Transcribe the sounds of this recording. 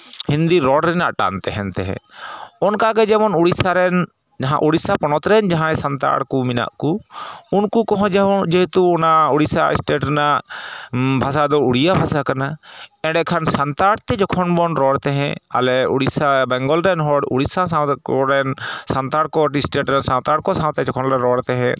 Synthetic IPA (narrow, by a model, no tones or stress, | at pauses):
hind̪iɾɔɽɾɛnaʔʈa̰nt̪ɛɦɛnt̪ɛɦɛ̰̃ɔnkaɡɛd͡ʒɛmɔnuɽisaɾɛn | d͡ʒaɦã̰ʔuɽisapɔnɔt̪ɾɛnd͡ʒaɦãɛ̃sant̪a̰ɽkumina̰ʔkuunkukɔɦɔ̃d͡ʒɛɔd͡ʒɛɦɛt̪uɔnauɽisa̰ḭsʈeʈɾɛnaʔ | bʱas̬ad̪ɔuɽijabʱasakanaɛ̃ɖɛkʰansant̪aɽt̪ɛd͡ʒɔkʰɔnbɔnɾɔɽt̪ɛɦɛ̰̃a̰lɛṵɽisabɛŋɡɔlɾɛnɦɔɽṵɽisasaɔɾɛnsant̪aɽkɔʈisʈɛʈɾɛnsawt̪aɽkɔsãw̃t̪ɛd͡ʒɔkʰɔnɾɛɾɔɽt̪ɛɦɛ̃